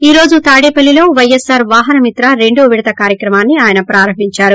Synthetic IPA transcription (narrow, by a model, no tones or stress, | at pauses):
iːɾo̞ːd͡ʒut̪aːɽeːpɐlːilo̞ːʋɐjesːaːɾʋaːɦɐnɐmit̪ɾaɾe̞ɳɖuʋiɽɐt̪ɐkaːɾjɐkɾɐmaːnːiaːjɐnɐpɾaːɾɐmbiɲt͡ʃaːɾu